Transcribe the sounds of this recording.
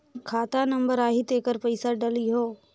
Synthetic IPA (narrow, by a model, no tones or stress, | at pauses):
kʰaːt̪anɐ̃mbəɾaːɦit̪eːkəɾpəɪsaɖɐliɦoː